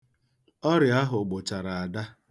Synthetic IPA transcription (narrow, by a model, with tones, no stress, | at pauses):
ɔ˦ɾɪ˨a˦ɦʊ˨ɡ͡bo˨t͡ʃa˨ɾa˨a˨da˦